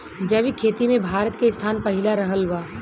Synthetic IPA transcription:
d͡ʒəʋikʰeːt̪imẽbʱaːɾət̪keɪst̪ʰaːnpɐɦɪlaɾɐɦəlʋaː

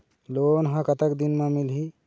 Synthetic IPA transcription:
lonɦãkat̪akd̪inmamilɦi

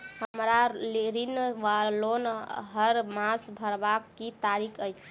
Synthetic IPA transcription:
həmɾaleɾinʋalonɦəɾmãsbʱəɾbakːit̪aɾikʰəjt͡ʃʰɛ̥

